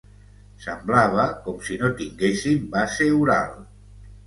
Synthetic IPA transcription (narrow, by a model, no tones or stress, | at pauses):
semblaβ̞akɔmsinot̪iŋɡesimbaseuɾa̰l